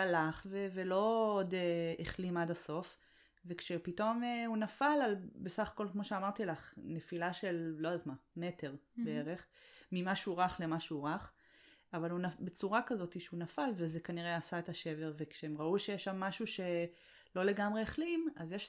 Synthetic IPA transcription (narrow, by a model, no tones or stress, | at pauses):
alaχvevelo̞odeeχlimadaso̞f | vekʃepito̞meunafalalbesaχḁko̞lkmo̞ʃeamaʁt̪ilaχnefilaʃe̞llod̪at̪mame̞te̞ʁbeeʁe̞χmimaʃuʁaχlemaʃeuʁaχ | avalunabet͡suʁakazo̞tiʃeunafalvezekaniʁeasaet̪aʃe̞veʁvekʃeemʁauʃejɛʃːamːaʃuʃe̞ | lo̞le̞ɡamʁe̞eχlimazjeʃ